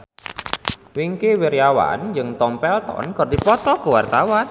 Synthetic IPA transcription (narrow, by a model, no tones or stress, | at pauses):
wiŋkewiɾjawa̰nd͡ʒɨŋt̪ɔmpɛlt̪ɔ̰nkərdipɔt̪ɔkəwart̪awan